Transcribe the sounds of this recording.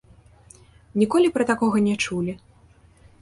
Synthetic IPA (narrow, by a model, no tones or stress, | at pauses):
nʲikɔlʲipɾɐt̪akɔɣɐnʲɛt͡ʂulʲi